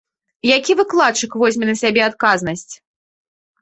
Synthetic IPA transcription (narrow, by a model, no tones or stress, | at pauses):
jakʲivɨklˠat̪t͡ʂɨkvɔzʲmʲɛnɐsʲabʲɛat̪kaznɐsʲt͡sʲ